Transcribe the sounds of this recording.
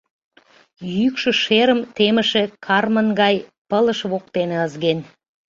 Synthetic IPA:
jyykʃə̆ʃeɾə̆mt̪emə̆ʃĕkʰɑrmənɡɑjpə̆lˠə̆ʃβoq̚t̪enĕəzɡen

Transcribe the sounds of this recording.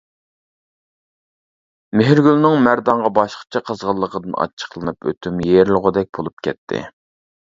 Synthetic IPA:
meɦɪɾɡʲylnɨŋmæɾd̪ɑɴʁɑbɑʃqə̥t͡ʃʰɛqʰəzʁɑlˠːəqʰəd̪ɨnɑ̰t͡ʃʰːə̥χlˠɨnɨpʰø̰t̪ʰymjeɾlʁʊd̪ɛk̚ʲbolˠup̚kʲʰɛ̰t̪ʰːɪ̰

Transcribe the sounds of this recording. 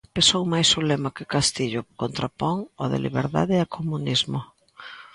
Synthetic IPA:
pesowmajsʊlemɐkɪkast̪iʎʊkont̪ɾapɔŋoðɪ̰lḭβeɾða̰ðɪakʰomunizmʊ

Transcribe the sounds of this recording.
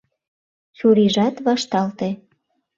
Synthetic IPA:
t͡ɕuɾiʒɑt̪βɑʃt̪ɑlt̪e

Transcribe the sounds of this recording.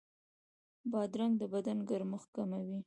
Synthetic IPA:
bɑd̪ɾaŋɡd̪əbad̪anɡaɾmʊxkamawi

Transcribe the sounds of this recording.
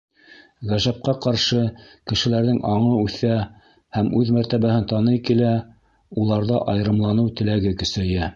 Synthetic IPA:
ʁæʒæp̚qɑqɑɾʃɤkɘ̆ʃɘ̆læɾðɘŋʔɑɴɤʉθæ | hæmʉðmæɾt̪æβæhɘnt̪ɑnɤjkilæ | ulˠɑɾðɑʔɑjɾɤ̆mlˠɑnɤwt̪ɘ̆læɡɘkɵ̆sæ̆jæ

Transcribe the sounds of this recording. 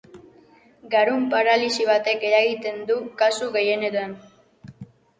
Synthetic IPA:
ɡaɾumpaɾalisiβ̞at̪e̞ke̞ɾaɣit̪e̞nd̪ukasuɣe̞je̞neɾoen

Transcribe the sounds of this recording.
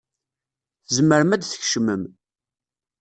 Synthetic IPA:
θəzməɾmæd̪θə̥çʃməm

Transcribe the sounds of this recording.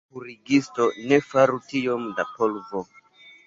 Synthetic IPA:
uɾiɡistonefaɾutijomdapɔlvo

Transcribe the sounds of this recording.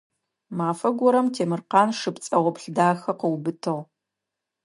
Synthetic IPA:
maːfɐɡʷɔɾɐmtʰeːmɨrqɑːnʂɨpt͡sʼɐʁʷɔpɬdaːxɐqəwbɨtʰɨʁ

